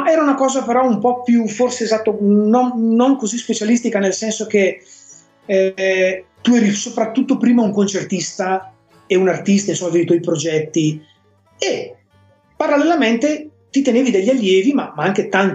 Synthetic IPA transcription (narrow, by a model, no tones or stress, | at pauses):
ɛːɾaunakɔːzapeɾɔumpɔpjuforseːzat̪ːononnoŋkozispet͡ʃalist̪ikanelsɛnsok̟e | t̪uɛːɾisopɾat̪ːut̪ːopɾiːmauŋkont͡ʃert̪ist̪a | eunart̪ist̪ainsomːavevit̪wɔjpɾod͡ʒɛt̪ːi | e | paɾalːelament̪e | t̪it̪eneːvid̪eʎːalːjɛːvimamaaŋk̟et̪an